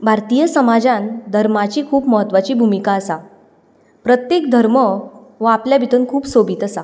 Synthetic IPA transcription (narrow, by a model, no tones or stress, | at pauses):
bʱaɾt̪ijəsəmad͡zãnd̪ʱəɾmat͡ɕiːkʰuːpməɦət̪ːʋat͡ɕiːbʱumikaəsa | pɾət̪jekd̪ʱəɾməʋəapljabʱit̪unkʰuːpsobʱiːt̪əsa